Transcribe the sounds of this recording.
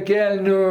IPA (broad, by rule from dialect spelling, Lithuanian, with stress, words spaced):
ˈkʲɛlʲnʲʊ